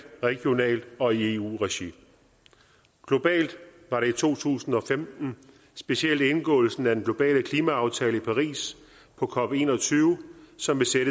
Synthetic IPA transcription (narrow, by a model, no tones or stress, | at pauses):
ʁɛɡ̥jo̝nɛ̰ːld̥ɒ̽ie̝ṵːʁɛɕi | ɡ̥lo̝b̥ɛ̰ːld̥ʋɑ̈ɾe̝it͡sʰo̝̰ːt͡sʰṵːsn̩ɒ̽femd̥n̩ | sb̥e̝siel̰d̥e̝nɡ̥ɔ̰̽ːl̩sn̩æd̥enɡ̥lo̝b̥ɛ̰ːləkʰliːmæɑ̈ʊt͡sʰɛːləipʰɑ̈ʁḭːs | pʰɒ̽kʰɒ̽b̥e̝ːnɒ̽t͡sʰyːʊsɒ̽mʋe̝seɾə